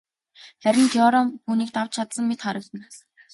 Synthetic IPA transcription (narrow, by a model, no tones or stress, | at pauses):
χæɾʲɪ̆nt̪ʰjɔɾɔmxuːniːk̚t̪aw̥t͡ɕt͡ɕʰat̪sə̆mːet̪χaɾə̆kt̪ə̆n